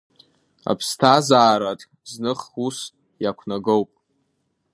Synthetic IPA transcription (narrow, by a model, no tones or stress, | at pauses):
a̰pʰstʰazaːɾatʼ | znɨχus | jakʷʰnaɡowpʼ